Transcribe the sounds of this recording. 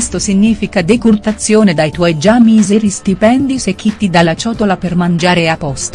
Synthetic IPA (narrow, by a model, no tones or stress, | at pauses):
st̪osiɲːiːfikad̪ekurt̪at̪sːjoːned̪ajt̪wɔjd͡ʒamizeɾisst̪ipɛnd̪isek̟ːit̪ːid̪alːat͡ʃɔːt̪olapermand͡ʒaːɾeapːɔst̪o